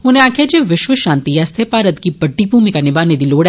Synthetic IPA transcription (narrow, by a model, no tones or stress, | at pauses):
ɦʊnẽaːkʰjad͡ʒeːʋɪʃʋəʃãːnt̪iɛst̪ʰepaːɾət̪kibɐɖːibʱuːmikanɪbaːned̪iloːɽɛ